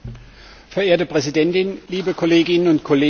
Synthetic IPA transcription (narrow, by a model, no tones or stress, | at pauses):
fɛɐeːɐtəpʁ̥ɛzidɛntɪnliːbəkʰɔleːɡɪnənʊntkʰɔleː